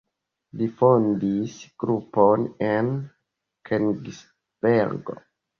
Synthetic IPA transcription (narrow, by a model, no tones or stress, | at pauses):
lifondisɡ̥ɾuponen | kʰenɡs | b̥eɾɡo̰